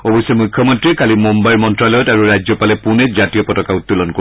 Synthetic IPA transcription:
ɔbɔjsɛmujkʰːɔmɔntɹikalimombajɹmɔntɹalɔjɔtaɹuɹajzɔpalɛpunɛzatijɔpɔtɔkautːulɔnko

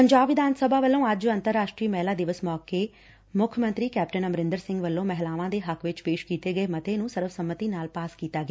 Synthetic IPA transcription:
pəɲd͡ʒaːbʋɪd̪ʱaːnsəbaːʋəlːõːəd͡ʒənt̪əɾːaːʃʈɾiːmɛːlaːd̪ɪʋəsmɔːkeː | mʊkʰjmənt̪ɾiːkɛːp̚ʈənəmɾɪ̃nd̪əɾsɪ̃ŋɡʋəlːõːmɛɦlaːʋãːd̪eːɦəkʋɪt͡ʃpeːʃkiːt̪eːɡəeːmət̪eːnũːsəɾəfsəmːət̪iːnaːlpaːskiːt̪aːɡː

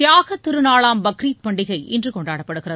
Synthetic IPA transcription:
jaːɣɐt̪ːɪɾɯnaːɭaːmbɐkɾiːt̪̚pɐɳɖɪɣɐɪʔɪ̰ndrɯkɔɳɖaːɽɐpːɐɽɯɣɪrɐð

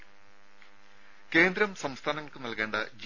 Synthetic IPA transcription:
ke̞ːnd̪ɾɐmsɐmst̪ʰaːnɐŋːɐɭkɨnɐlke̞ːɳɖɐd͡ʑ

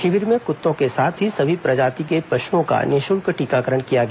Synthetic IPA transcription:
ʃɪʋɪɾmẽkʊt̪ːõkesaːt̪ʰɦisɐbʱipɾɐd͡ʒaːt̪ikepɾɐʃuõka̰neːʃʊlkəʈiːkakəɾəɽ̃kijaɡɛa

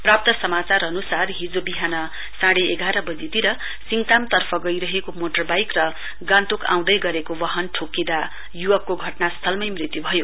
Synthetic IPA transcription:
prap̚t̪ʌsʌmat͡sarʌnusarɦid͡zobiɦanʌ | saɽeeɡaɾʌbʌd͡zit̪iɾʌ | siŋt̪amt̪ʌrpʰʌɡʌjɾʌɦekomoʈʌrbajkrʌ | ɡãnt̪ukã̰w̃d̪ʌjɡʌɾekowʌɦʌnʈʰokːĩd̪a | juwʌkːoɡʱʌʈnast̪ʰʌlmʌjmrit̪jubʱʌjo

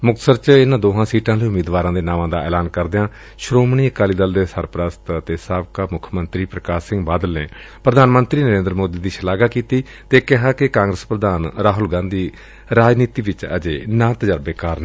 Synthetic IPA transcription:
mʊkt̪səɾt͡ʃɪnãːd̪oːɦãːsiːʈãːliːʊmiːd̪ʋaːɾãːd̪eːnaːmãːd̪aːɛ̰ːlaːnkəɾd̪ejãː | ʃɾoːmɳ̃iːəkaːliːd̪əld̪eːsəɾpɾaːst̪ət̪eːsaːbkaːmʊkʰmənt̪ɾiːpɾəkaːsɪ̃ŋɡbaːd̪əlneː | pɾəd̪ʱaːnmənt̪ɾiːnəɾẽːnd̪ɾəmoːd̪iːd̪iːʃəlaːɡaːkiːt̪iː | t̪eːkɪɦaːkɪkãːŋɡɾəspɾəd̪aːnɾaːɦʊlɡãːnd̪iː | ɾaːd͡ʒniːt̪iːʋɪt͡ʃə̰d͡ʒeːnãːt̪əd͡ʒəɾbeːkaːɾnɛː

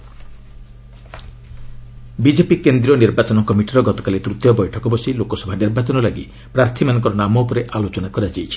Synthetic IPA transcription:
bid͡ʒepikend̪ɾiɔniɾbat͡ʃɔnɔkɔmiʈiɾɔɡɔt̪ɔ̥kalet̪ɾut̪jɔbɔjʈʰɔkɔbɔsilokɔsɔbʱaniɾbat͡ʃɔnɔlaɡḭ | pɾaɾt̪ʰimanɔ̃ŋkɔɾɔnamɔupɔɾeʔalot͡ʃɔnakɔɾiad͡ʒajt͡ʃʰi̥

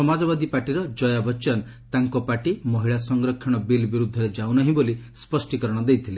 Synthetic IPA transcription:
sɔmad͡ʒɔbad̪ipaʈiɾɔd͡ʒɔjabɔt͡ʃan | t̪aŋkɔpaʈimɔɦiɭasɔŋɡɾɔkʰːɔɽ̃ɔbilbiɾud̪ʱːɔɾed͡ʒawnɔɦĩbolispɔsʈikɔɾɔɽ̃ɔd̪ejt̪ʰile

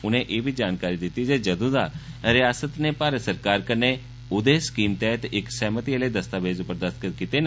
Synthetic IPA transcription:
ʊnẽːʔeːbiːd͡ʒaːnkaːɾiːd̪ɪt̪ːiːd͡ʒeːd͡ʒəd̪õːd̪aːɾɪjaːsət̪neːpaːɾəsəɾkaːɾkəɾneː | ʊd̪eːsə̥kiːmt̪ɛt̪ɪksɛːmət̪iːəleːd̪əst̪aːʋeːd͡ʒʊpːəɾd̪əst̪kkit̪eːn

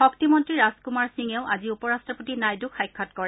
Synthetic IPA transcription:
xɔktimɔntɹiɹaskumaɹsiŋɛʊʔaziupɔɹastɹɔpotinajdukʰajkʰːɔtkɔɹɛ

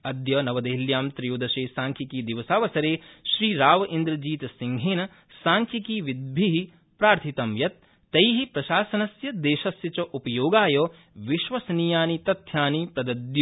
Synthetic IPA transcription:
ɐd̪jɐnɐʋɐd̪ɐɦiljaːmt̪ɾijuːd̪ɐʃeːsaːŋkʰikiːd̪iʋɐsaːʋɐsɐɾeːʃɾiːɾaːʋɐʔind̪ɾɐd͡ʒiːt̪ɐsiŋɡʱeːnɐ | saːŋkʰikiːʋid̪̚bʱiɦi | pɾaːɾt̪ʰit̪ɐmjɐt̪̚ː | ɐjɦipɾɐʃaːsɐnɐsjɐd̪eːʃɐsjɐt͡ʃɐʔupɐjoːɡaːjoː | ʋiʃʋɐsnijaːnit̪ɐt̪ʰjaːnipɾɐd̪ɐd̪ju

